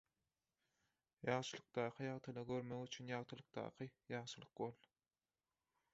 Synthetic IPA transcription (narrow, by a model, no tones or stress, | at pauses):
jɑʁʃɯlˠɯq̚d̪ɑːqʰɯjɑʁt̪ʰɯlˠɑɡøɾmøɣyt͡ʃʰynjɑʁt̪ʰɯlˠɯq̚t̪ɑ̰ːqʰɯjɑʁʃɯlˠɯqbolˠ